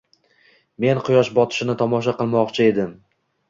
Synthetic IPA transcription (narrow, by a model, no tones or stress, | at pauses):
me̞nqʰʊjɒʃbɒt̪ʰɪ̥ʃɪnɪt̪ʰɒmɒʃ̬aqɨlˠmɒqt͡ʃʰɪe̞d̪ɪm